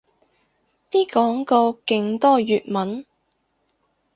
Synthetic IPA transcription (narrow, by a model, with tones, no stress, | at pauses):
t̪iː˥kɔː˨˥ŋkɔː˧kɪ˧ŋt̪ɔː˥jyː˨t̚mɐ˨˥n